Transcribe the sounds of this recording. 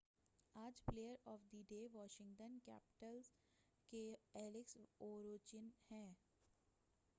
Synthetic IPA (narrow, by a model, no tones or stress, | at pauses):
aːd͡ʒpleːəɾɔːfd̪iɖeːʋɔːʃɪ̃ŋɡʈənkɛ̰ːpɪ̥ʈəlz | keɛːlɪksoːɾoːt͡ʃɪnhɛ̃ː